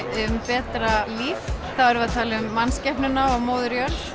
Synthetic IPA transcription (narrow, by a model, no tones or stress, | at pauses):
ʏmpɛːt̪ɾaliːfθaɛɾvat̪ʰaːlɪʏmːanscɛhpnʏnaɔɣmoːwðʏɾjœɾ